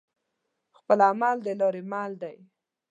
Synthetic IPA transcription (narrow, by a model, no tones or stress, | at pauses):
xpəlamald̪əlɑɾemald̪aj